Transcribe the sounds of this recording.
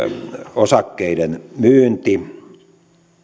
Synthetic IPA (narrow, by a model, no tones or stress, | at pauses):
osɑkːeiɾenmyːnt̪i